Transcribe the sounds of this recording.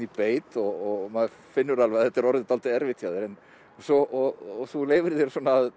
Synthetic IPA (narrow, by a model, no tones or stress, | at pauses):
ipeːjt̪ɔɣɔɣmað | fɪnːʏɾalvɛɣaðθɛt̪ːɛɾɔɾðɪt̪alt̪ɪɛɾvɪt̪ʰjaðɪɾɛn | sɔʔɔɣθuleːjvɪɾðɛɾsuɔːnaːð